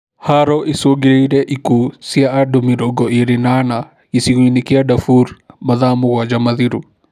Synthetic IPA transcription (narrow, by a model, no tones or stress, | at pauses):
haɾɔʔisoɡiɾeiɾɛʔikusiaʔaɖumiɾɔɡɔʔiɾinana | isiɣuinikiaɖɐfuɾmɐðamuɣad͡ʒamɐðiɾu